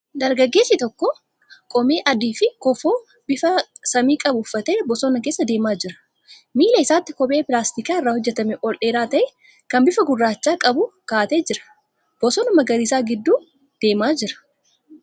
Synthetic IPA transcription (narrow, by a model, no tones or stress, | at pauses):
d̪ɐɾɡɐɡːeːsːɪt̪ɔkːɔ | kʼɔmeːʔɐd̪iːfɪkɔfoː | bɪfɐsɐmiːkʼɐbʊʊfːɐt̪eːbɔsɔnɐk̬e̞ːsːɐd̪e̞ːmaːd͡ʒɪɾɐ̥ | miːlɐɪsaːt̪ːɪkɔbʼe̞ːpɪlaːst̪ɪkaːɪrːaːhɔd͡ʒːɛt̪ɐmɛʔɔlʔe̞ːɾaːt̪ɐʔɛ | kɐnbɪfɐɡʊrːaːt͡ʃːaːkʼɐbʊkaːt̪eːd͡ʒɪɾɐ̥ | b̥ɔsɔːnɐmɐɡɐɾiːsaːɡɪd̪ːuː | d̪̥e̞ːmaːd͡ʒɪɾɐ̥